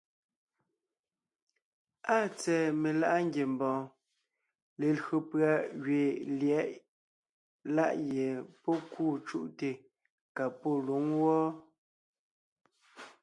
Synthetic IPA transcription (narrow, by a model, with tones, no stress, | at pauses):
a˦˨t͡sɛː˨me˨la˦ʔa˦ŋɡje˨mbɔ̃ː˨ | le˨lo˨pɰa˨ɣɥe˨ljɛ˨˦ʔ | la̰˦˨ʔje˨pɔ˦kuː˦˨t͡ʃṵ˦ʔte˨ | ka˨po˦˨lu˨˦ŋwɔː˦